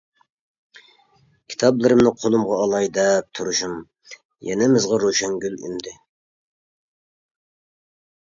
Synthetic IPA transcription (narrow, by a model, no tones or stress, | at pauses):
kʲʰi̥t̪ʰɑblˠɨɾɨmnɨqʰolˠumʁɑːlˠɑjd̪ɛp̚t̪ʰuɾuʃum | jɛ̰nɪmɪzʁɑɾoʃɛŋɡʲyly̰md̪ɪ